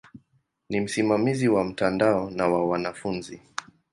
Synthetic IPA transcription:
nim̩simamiziwam̩tandaɔnawawanafunzi

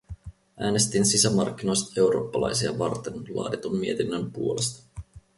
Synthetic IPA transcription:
ʔæːne̞st̪insisæmɑrk̟ːino̞jst̪ɑe̞uwɾo̞̰ːpːɑlɑ̰jsiɑʋɑrt̪enlɑ̰ːdit̪omːie̞t̪inːəmpuole̞st̪ɑ̥

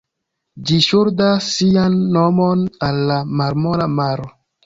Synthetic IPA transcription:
d͡ʒiʃuɾdasːianːomonalːamaɾmolamaɾo

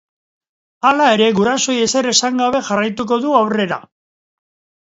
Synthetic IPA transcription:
alae̞ɾe̞ɣuɾaso̞je̞se̞re̞saŋɡaβ̞e̞xarajt̪uk̬o̞ðuawre̞ɾa̰

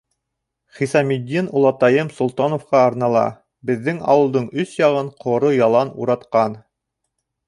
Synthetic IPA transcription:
χisɑmid̪ʲːinulˠɑt̪ɑjɤmsŭlˠt̪ɑnŏfqɑɑɾnɑlˠɑ̰ | bɘ̆ðːɘŋɑ̰wɤ̆lˠd̪ɤɴɵsjɑʁɤɴqʰŏɾojɑlˠɑnṵɾɑt̪qɑn

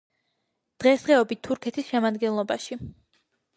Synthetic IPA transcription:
d̪̥ʁɛsd̪ʁɛɔbit̪ʰːuɾkʰɛt̪ʰisʃɛmad̪ɡɛnlˠɔbaʃi

